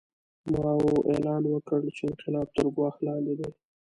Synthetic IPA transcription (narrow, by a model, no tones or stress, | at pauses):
mɑwuʔelɑnwəkəɽt͡ʃeɪnqɪlɑb̚t̪əɾɡwɑxlɑnd̪ed̪e